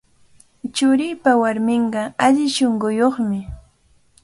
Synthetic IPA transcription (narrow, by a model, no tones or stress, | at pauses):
t͡ʃʊɾɪjpawaɾmɪɴɢɑaʎɪʃoɴɢʊjoχmɪ